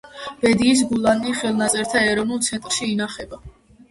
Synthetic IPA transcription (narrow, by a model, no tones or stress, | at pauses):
b̥ɛd̪iːs̬ɡulˠanːiχɛlˠnat̪sʼɛɾt̪ʰaɛɾɔvnulˠt̪sʰɛnt̪ʼɾʃiːnaχɛba